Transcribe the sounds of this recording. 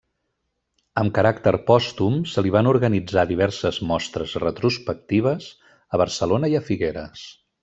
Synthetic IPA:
əmkəɾakt̪əɾpɔst̪umsəliβ̞anuɾɣənid͡zaðiβ̞ɛɾsəzmɔst̪ɾəzrət̪ɾuspək̚t̪iβ̞əz | əβəɾsəlonəiəfiɣeɾəs

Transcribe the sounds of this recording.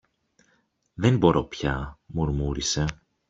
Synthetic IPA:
ðenbo̞ɾo̞̰pçɐmuɾmuɾise̞

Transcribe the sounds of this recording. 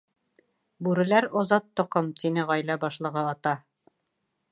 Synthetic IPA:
bʉɾɘ̆læɾozɑt̪ːŏqɤmt̪inɘʁɑjlæbɑʃlˠɤ̆ʁɤɑt̪ɑ

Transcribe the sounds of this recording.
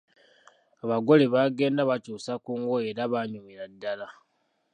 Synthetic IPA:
aβaɡo̞leβaːɡe̞ːndaβacuːsakuːŋɡo̞e̞ɾaβaɲumiɾadːala

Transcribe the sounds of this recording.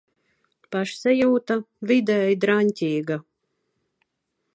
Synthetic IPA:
paʃsɛjuːt̪a | vid̪ɛːjd̪ɾanʲtʲiːɡa

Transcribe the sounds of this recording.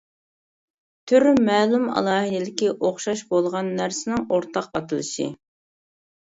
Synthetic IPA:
t̪ʰyɾmɛːlumɑ̰lˠɑːɦɨd̪ɪlɪkʲiʔoχʃɑʃbolˠʁɑnːæɾsɪnɪŋoɾt̪ʰɑqɑt̪ʰɨlˠɨʃɪ̰

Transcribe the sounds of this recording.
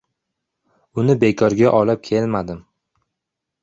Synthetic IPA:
ʊnɪbe̞kʰɒɾɡʲaʔɒlɪp̚kʲʰe̞lmad̪ɪm

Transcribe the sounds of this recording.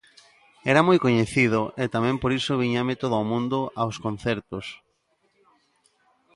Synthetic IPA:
ɛɾamojkoɲeθiðoʔet̪amɛ̃mpoɾisoβiɲamɪt̪oðoomũnd̪oʔaoskon̟θɛɾt̪os

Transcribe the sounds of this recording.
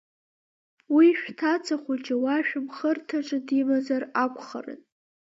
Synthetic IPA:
wiʃᶣtʰat͡sʰaχʷʊt͡ʃʼawaʃᶣɪmχərtʰaʈ͡ʂʼɨdimazarakʷʰʼχa̰rɨ̰n

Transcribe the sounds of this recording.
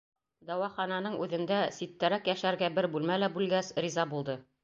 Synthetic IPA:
d̪ɑwɑχɑnɑnɤɴʉðɘ̆nd̪æsit̪ːæɾækjæʃæɾɡæbɘɾbʉlmælæbʉlɡæsɾizɑbulˠd̪ɤ

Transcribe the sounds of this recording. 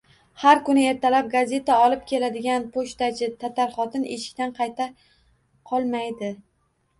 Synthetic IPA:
haɾkʊnɪe̞ɾt̪ʰalap̚ɡazʲe̞t̪ʰaɒlˠɪp̚kʲʰe̞lad̪ɪɡʲanpʰoʃt̪at͡ʃɪt̪ʰat̪ʰaɾχɒt̪ʰɪne̞ʃɪ̥k̚ʲt̪anqʰɑjt̪ʰa | qʰɒlˠmajd̪ɪ

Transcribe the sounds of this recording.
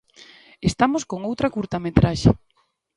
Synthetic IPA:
est̪amoskoŋowt̪ɾɐkuɾt̪amet̪ɾaʃḛ

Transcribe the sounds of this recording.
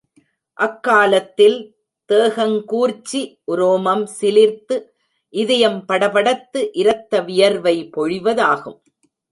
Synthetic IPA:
ʔɐkːaːlɐt̪ːɪl | t̪eːɣɐŋkuːɾt͡ʃːiʔʊɾoːmɐmsɪlɪɾt̪ɯ | ʔɪðɐjɐmpɐɽɐʋɐɽɐt̪ːɯʔɪɾɐt̪ːɐʋɪjɐɾʋɐɪpɔɻɪʋɐðaːɣɯm

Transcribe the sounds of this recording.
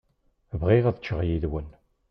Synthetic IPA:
vʁiʁæðət͡ʃːəʁjiðwən

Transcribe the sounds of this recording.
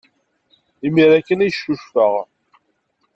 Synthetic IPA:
imiɾækːənæjʃːuʃfəʁ

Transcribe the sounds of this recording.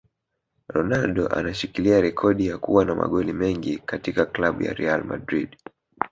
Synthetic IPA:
ɾɔnalɗɔʔa̰naʃikiliaɾɛkʰɔɗijakṵwanama̰ɠɔlimɛŋɡikatikaklaɓṵja̰ɾɛalma̰dɾiɗ

